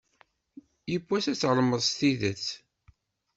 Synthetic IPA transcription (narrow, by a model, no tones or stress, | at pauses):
jəkʷːæsæt͡sːəlməðˤst̪iðət͡s